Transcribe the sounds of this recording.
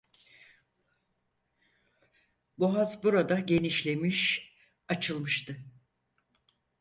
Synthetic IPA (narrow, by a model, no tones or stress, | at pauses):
boɦazbuɾad̪aɟe̞niʃlʲe̞miʃ | at͡ʃʰɯlˠmɯʃt̪ʰɯ